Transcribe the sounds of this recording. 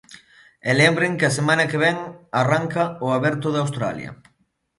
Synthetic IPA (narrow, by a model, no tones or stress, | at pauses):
ɛlɛmbɾeŋkɪasemanɐkeβ̞ɛŋaraŋkɐʊaβɛɾt̪ʊðawst̪ɾa̰lj̰ɐ̰